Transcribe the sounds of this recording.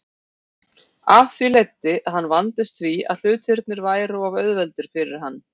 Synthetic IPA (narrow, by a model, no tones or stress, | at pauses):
avθvilejt̪ːɪʔaðhanːvant̪ɪst̪θvia̰ðl̥ʏːt̪ʰɪɾt̪̚nɪɾvaːjɾawavœɥðvɛlt̪ʏɾ̥fɪɾɪɾ̥ɦanː